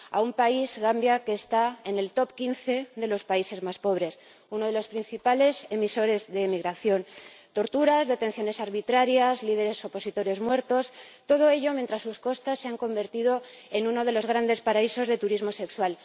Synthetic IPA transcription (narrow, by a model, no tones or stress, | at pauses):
a̰umpaizɣambjake̞ːst̪ae̞ne̞lt̪o̞pkinθe̞ðe̞lo̞spaise̞zmaspo̞β̞ɾe̞s | uno̞ð̞elo̞spɾin̟θipale̞semiso̞ɾe̞zðe̞ːmiɣ̞ɾaθjo̞nt̪o̞ɾt̪uɾazðe̞t̪e̞nθjo̞ne̞saɾβit̪ɾaɾjazlið̞e̞ɾe̞so̞po̞sit̪o̞ɾe̞zmwe̞ɾt̪o̞st̪o̞ð̞o̞e̞ʎo̞mjent̪ɾasːusko̞st̪asːe̞aŋko̞mbe̞ɾt̪iðo̞ | e̞nũno̞ð̞e̞lo̞zɣ̞ɾand̪e̞spaɾaiso̞zð̞et̪uɾizmo̞se̞kswal